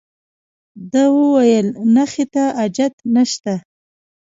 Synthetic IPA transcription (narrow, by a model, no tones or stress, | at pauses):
d̪əwəwajəlnaxet̪aad͡ʒat̪naʃt̪a